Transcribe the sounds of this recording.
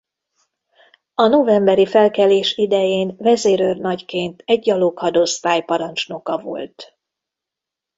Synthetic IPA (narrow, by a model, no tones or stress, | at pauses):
ɒno̞vɛmbɛɾifɛlkɛleːʃid̪ɛjeːnvɛzeːɾørnɒckeːnt̪ɛɟːɒloːkɒd̪o̞st̪aːjpɒɾɒnt͡ʃno̞kɒvo̞̰lt̪